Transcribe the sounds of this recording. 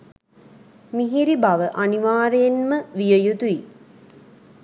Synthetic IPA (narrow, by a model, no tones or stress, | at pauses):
miɦiɾibaʋəʔaniʋaːɾejenməʋijəjut̪ui